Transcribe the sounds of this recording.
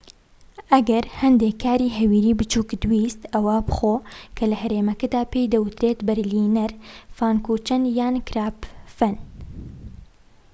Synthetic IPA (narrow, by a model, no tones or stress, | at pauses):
ʔɐɡɐɾhɐnd̪eːkʰːaːɾiːɦɛwiːɾiːbɨt͡ʃuːkd̪wiːst̪ɐwaːbɨxoːkʰɐlɨhɐɾeːmɐkɐd̪aːpeːjd̪ɐwɨt̪ɾeːt̪bɐɾliːnɐɾfaːnkuːt͡ʃɐnjaːnkɾaːpfɐn